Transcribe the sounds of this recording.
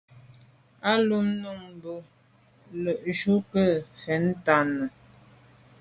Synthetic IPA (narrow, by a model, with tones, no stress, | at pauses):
a˦lu˦mnu˦˨ŋ˨bo˨ | lə˨ʔʃu˦kə˦˨fɛ˨n̩˦ta˨nə˨